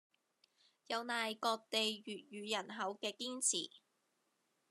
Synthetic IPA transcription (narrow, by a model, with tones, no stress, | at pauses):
jɐ˨˧wnaː˨jkɔː˧k̚t̪e˨jɥyː˨˩t̚jyː˨jɐ˨˩nɦɐ˨˥wkɛː˧kiː˥nt͡sʰḭː˨˩